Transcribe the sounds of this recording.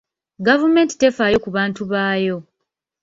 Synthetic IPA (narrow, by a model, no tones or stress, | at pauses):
ɡavume̞ːnti̥te̞faːjo̞kuβaːntuβaːjo̞